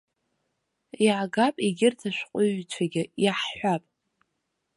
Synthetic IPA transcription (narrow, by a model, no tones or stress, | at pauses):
iʕaɡapʼiɡʲɪrtʰaʃʷᶣqʷʼʊɥt͡ʃʷʰaɡʲɪiħħʷapʼ